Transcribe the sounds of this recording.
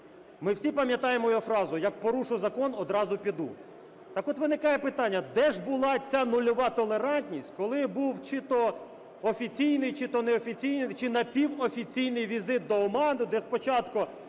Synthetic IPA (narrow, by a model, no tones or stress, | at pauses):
mɪwsʲipɐmʲjɐt̪ɑjemɔjɔfɾɑzʊjɐk̚pɔɾuʃʊzɐkɔnɔd̪ɾɑzʊpʲid̪u | t̪ɑkɔt̪ʋɪnɪkɑjɛpɪt̪ɑnʲːɐd̪ɛʒbʊlˠɑt͡sʲanʊlʲɔʋɑt̪ɔlˠeɾɑnʲtʲnʲisʲtʲkɔlˠɪbuwt͡ʃɪt̪ɔ | ɔfʲit͡sʲijnɪjt͡ʃɪt̪ɔnɛɔfʲit͡sʲijnɪjt͡ʃɪnɐpʲiwɔfʲit͡sʲijnɪjʋʲizɪt̪̚d̪ɔɔmɑnʊd̪ɛspɔt͡ʃɑt̪kʊ